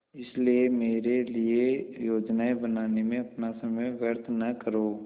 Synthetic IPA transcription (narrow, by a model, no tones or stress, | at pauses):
ɪsliemeːɾeliejoːd͡ʒnaːebənaːnemẽɐpnasɐməjʋjəɾt̪ʰnɐkəɾoː